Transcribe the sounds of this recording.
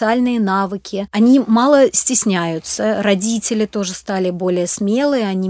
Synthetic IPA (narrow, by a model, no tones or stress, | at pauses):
ɨalʲnɨjənavɨkʲɪɐnʲimɑlˠəsʲtʲɪsʲnʲæjʊt̪səɾɐdʲitʲɪlʲɪt̪o̞ʐɨst̪alʲɪbo̞lʲɪjəsmʲe̞lˠɨjəɐnʲi